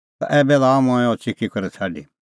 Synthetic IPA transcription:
t̪a̰ʔɛːbɛlamõɛ̃ɔt͡ʃɪkikɐɾɛsʰaːɖḭ

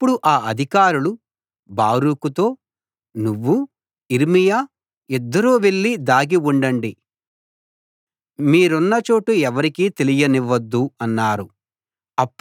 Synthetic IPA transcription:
ɐpːuɽuʔaːɐd̪ʱikaːɾulu | baːɾukut̪o̞ː | nuʋːu | iɾmijaː | ɛd̪ːɐɾuːʋe̞ɭːid̪aːɡiuɳɖɐɳɖi | miːɾunːɐt͡ʃo̞ːʈuɛʋɐɾikiːt̪e̞lijɐniʋɐd̪ːuɐnːaːɾu | ɐpː

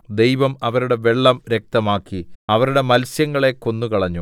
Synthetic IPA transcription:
d̪e̞jʋɐmɐʋɐɾuɽe̞ʋe̞ɭːɐmɾe̞k̚t̪ɐmaːkːiɐʋɐɾuɽe̞mɐlsjɐŋːɐɭe̞ko̞nːukɐɭɐɲːu

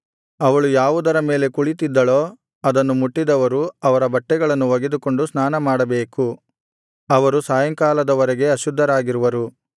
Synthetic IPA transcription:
ɐʋɐɭujaːʋud̪ɐɾɐme̞ːle̞kuɭit̪id̪ːɐɭo̞ː | ɐd̪ɐnːumuʈːid̪ɐʋɐɾuɐʋɐɾɐbɐʈːɛɡɐɭɐnːuʋɐɡed̪uko̞ɳɖusnaːnɐmaːɽɐbeːku | ɐʋɐɾusaːjɐŋkaːlɐd̪ɐʋɔɾɛɡe̞ɐʃud̪ʱːɐɾaːɡiɾuʋɐɾu

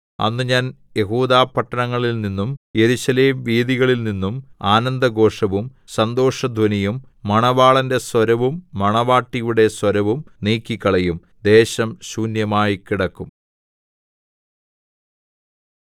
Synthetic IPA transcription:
ɐ̰nːɨɲaːn | je̞ɦuːd̪aːpːɐʈːɐnɐŋːɐɭilninːumje̞ɾuɕɐleːmʋiːðiɣɐɭilninːumaːnɐnd̪ɐɡo̞ːʂɐʋum | sɐnd̪o̞ːʂɐd̪ʱɐnijumː | ɐɳɐʋaːɭɐnde̞swɐɾɐʋumːɐɳɐʋaːʈːijuɽe̞swɐɾɐʋumniːkːikːɐɭɐjum | d̪e̞ːɕɐmɕuːnjɐmaːjikiɽɐkːum

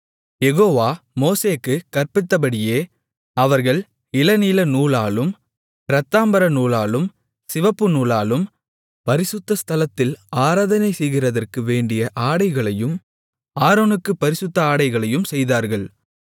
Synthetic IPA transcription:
jɛɣoːʋaːmoːseːkːɯkɐrpɪt̪ːɐpɐɽɪjeː | ɐʋɐɾɣɐɭ | ɪlɐniːlɐnuːlaːlɯm | ɪɾɐt̪ːaːmbɐɾɐnuːlaːlɯm | sɪʋɐpːɯnuːlaːlɯm | pɐɾɪsɯt̪ːɐst̪ʰɐlɐt̪ːɪlaːɾaːðɐnɐɪsɛjɣɪrɐðɐrkɯʋeːɳɖɪjɐʔaːɽɐɪɣɐɭɐjɯm | aːɾoːnɯkːɯpːɐɾɪsɯt̪ːɐaːɽɐɪɣɐɭɐjɯmsɛjðaːɾɣɐɭ

